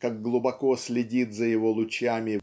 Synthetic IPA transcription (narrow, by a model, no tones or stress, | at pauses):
kaɡːlˠʊbɐko̞sʲlʲɪdʲit̪zəjɪvo̞lˠʊt͡ɕamʲɪ